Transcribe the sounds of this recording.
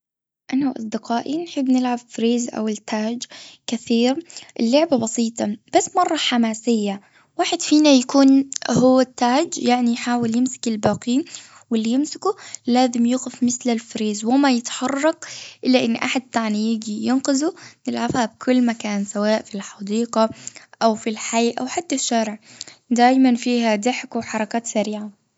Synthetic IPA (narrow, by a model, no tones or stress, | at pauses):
ʔanawʔɑ̰sˤd̪ɪqaːʔinħɪbːnɪlʕabfɾeːzʔa̰wɪlt̪ʰːaːd͡ʒkɪθiːɾʔɪlːʊʕbabɑsiːt̪ˤɑb̥asːmɑrˤːɑħamaːsɪjːa | waːħɪd̪fiːnajakuːnhʊwːat̪ːaːd͡ʒjaʕnijħaːwɪljɪmsɪ̥kɪlbaːqiːn | wɪlːijɪmsɪ̥kulaːzɪmjuːɣɪfmɪθlalfɾeːzwɪmajɪt̪ħɑrˤːɑqʔɪlːaʔɪnːʔaħad̪̚t̪aʕnijɪɡijɪnqɪzunɪlʕafhab̚kʰʊlːmakaːnsawaːʔfilħɑd̪iːqɑʔawfilħaiːʔawħat̪ːaʃːaːɾɪʕd̪aːjmanfiːhad̪ɪħkwɪħɑɾˤɑkaːt̪saɾiːʕa